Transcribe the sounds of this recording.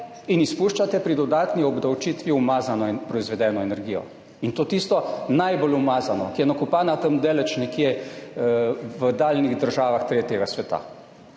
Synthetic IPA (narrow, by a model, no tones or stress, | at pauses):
inispuʃt͡ʃat̪ɛpɾid̪ɔd̪aːt̪niɔbd̪awt͡ʃiːt̪ʋiumaːzanɔpɾɔizʋɛd̪ɛːnɔɛnɛɾɡiːjɔ̰ | int̪oːt̪ist̪ɔnajbolumaːzanɔkijɛnakupaːnat̪əmd̪eːlɛt͡ʃnɛkje | ʋəd̪aːlniɣd̪əɾʒaːʋaxt̪ɾeːt̪jɛɡasʋɛt̪a̰